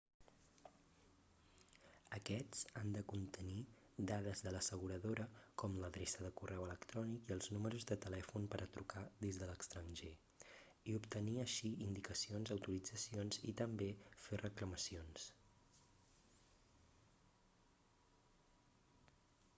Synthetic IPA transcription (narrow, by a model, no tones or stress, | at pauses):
əkɛt͡sand̪əkunt̪əni | d̪að̞əzðələsəɣuɾəðoɾəkɔmləðɾesəðəkurɛwələkt̪ɾɔnikiəlˠznuməɾuzðət̪əlɛfunpəɾʔət̪ɾukaðizðələkst̪ɾənʲʒe | iupt̪əniəʃiind̪ikəsionzəwt̪uɾid͡zəsionzḭt̪əmbeferəkləməsions